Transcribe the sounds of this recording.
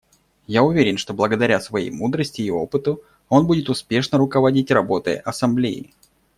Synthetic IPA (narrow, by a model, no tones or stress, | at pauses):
jaʊvʲeɾʲɪnʂt̪o̞blˠəɡəd̪ɐɾʲasvɐjḛjmud̪ɾəsʲtʲɪːo̞pɨt̪ə | o̞nbudʲɪt̪ʊspʲe̞ʂnəɾʊkəvɐdʲitʲrɐbo̞t̪ə̰j̰ʔɐsɐmblʲejɪ̰